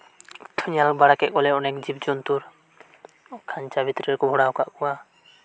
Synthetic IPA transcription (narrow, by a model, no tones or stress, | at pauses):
t̪ʰuɲalɔk̚baɽakɛʔ̚kɔlɛɔnɛkd͡ʒib̚d͡ʒɔnt̪uɾ | kʰaɲt͡ʃabit̪ɾiɾkubʱɔɽawkaʔkɔwa